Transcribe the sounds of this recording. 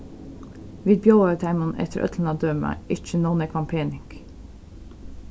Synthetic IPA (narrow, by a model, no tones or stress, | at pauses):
ʋiːd̪̚bjoːət̪ʰæɪmənɛ̰t̪ʰə̰ɾʔœ̰t̪ʰlən̩ɑːd̪øːmɑ̰ɪt͡ʃənɔnekʰʋɑmpʰeːnɪŋk